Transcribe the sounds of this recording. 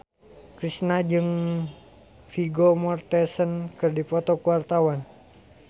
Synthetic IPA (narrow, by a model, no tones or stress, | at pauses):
kɾisnad͡ʒɨŋ | fiɡomɔrt̪ɛsənkɨrdipɔt̪ɔkuwart̪awan